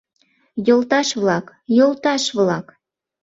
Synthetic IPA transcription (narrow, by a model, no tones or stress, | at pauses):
jolt̪ɑʃβlɑk | jolˠt̪ɑʃβlɑk